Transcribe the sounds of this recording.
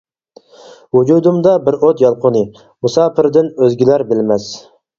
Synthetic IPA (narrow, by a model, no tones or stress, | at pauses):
wud͡ʒud̪umd̪ɑbɪɾot̪jɑlˠqʰʊnɨ | musɑːpʰɪɾd̪ɪnøzɡʲilæɾbɪlmɛs